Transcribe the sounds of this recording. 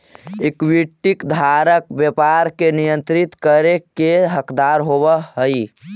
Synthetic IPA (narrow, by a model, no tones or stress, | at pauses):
ekwiʈːikd̪ʱaɾəkbjəpaɾkenijə̃nt̪ɾit̪kəɾekeɦəkd̪aɾɦobəɦəi